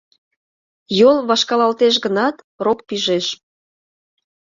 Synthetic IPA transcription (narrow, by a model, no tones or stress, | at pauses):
jolβɑʃkɑlɑlt̪eʃ̬ɣənɑt̪ | rokpiʒeʃ